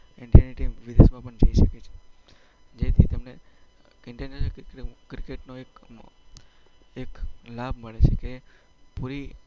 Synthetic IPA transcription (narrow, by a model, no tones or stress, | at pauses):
ɪɳɖijaniʈimʋid̪esmãpəɳd͡ʒə̰iʃəket͡ʃʰe̥ | d͡ʒet̪ʰit̪emne | ɪɳʈenekɾikeʈnoek | eklab̚ʱməɭet͡ʃʰeke | puɾi